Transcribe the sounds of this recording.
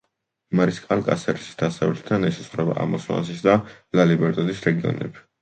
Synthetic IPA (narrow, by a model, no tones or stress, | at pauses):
maɾiskʼalkʼa̰sɛɾisi̥sd̪̥asavɛt̪ʰt̪ʰːanɛʃɛ̥sχwɾɛba̰ʔa̰mɔsma̰nsisd̪a | lalibɛɾt̪ʼɔd̪isɾɛɡiɔ̰nɛ̰bi̥